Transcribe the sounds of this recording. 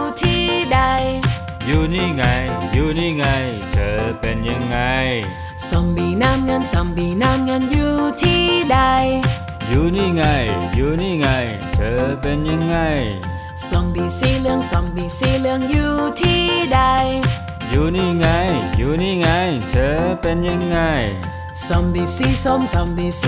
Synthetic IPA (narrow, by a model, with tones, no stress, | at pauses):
t̪ʰi˧˩da˧j | juː˧ni˧˩ŋa˧jjuː˧niː˧˩ŋa˧j | t̪ʰəː˨˦pe˧nɲa˧ŋːa˧j | so˨˩ŋbi˨˩na˧˥˩mŋəː˧nsɔ˨˩ŋbiː˨˩na˧˥mŋəː˧njuː˧t̪ʰi˧˩da˧j | juː˧niː˧˩ŋa˧˩jjuː˧niː˧˩˨ŋa˧j | t̪ʰəː˨˧˦pe˧nɲa˧ŋːa˧˩j | so˨˧˩mbi˨˩si˧˩lɯ˧əŋsɔ˨˩mbi˨˩si˧˩lɯ˧əŋjuː˧t̪ʰiː˧˥˩da˧j | juː˧˩nː˧˩ŋa˧˩jjuː˧niː˧˩ŋa˧˩jt̪ʰəː˧˦pe˧nɲa˧ŋːa˧˩j | sɔ˨˩mbi˨˩si˧˥so˧msa˨˩mbi˧˩s